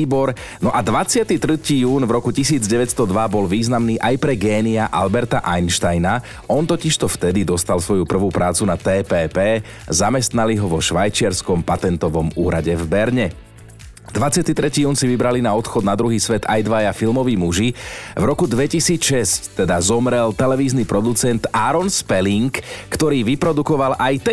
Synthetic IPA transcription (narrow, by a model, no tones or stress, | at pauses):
bɔɾ | nɔʔad̪ʋat͡sɪat̪it̪ɾ̩ciːjuːnvɾɔkucisiːd͡zɟɛʋɛtst̪ɔd̪ʋabɔlʋiːznamniːʔajpɾɛɡɛːniaʔalbɛɾt̪aʔajnʃt̪ajna | ɔnt̪ɔciʃt̪ɔft̪ɛd̪id̪ɔst̪alsʋɔjupr̩ʋuːpɾʔaːt͡sunat̪ɛːpɛːpɛː | zamɛst̪naliɦɔʋɔʃʋajt͡ʃɪaɾskɔmpat̪ɛnt̪ɔʋɔmuːɾaɟɛvbɛɾɲɛ | d̪ʋat͡sɪat̪it̪ɾɛciːuːnsiʋibɾalinaɔt̪xɔd̪nad̪ɾuɦiːsʋɛt̪a̰jd̪ʋajafilmɔʋiːmuʒivɾɔkud̪ʋɛcisiːt͡sʃɛsct̪ɛd̪azɔmɾɛlt̪ɛlɛʋiːznipɾɔd̪ut͡sɛnt̪aːɾɔnspɛliŋkːt̪ɔɾiːʋipɾɔd̪ukɔʋalʔajt̪ɛ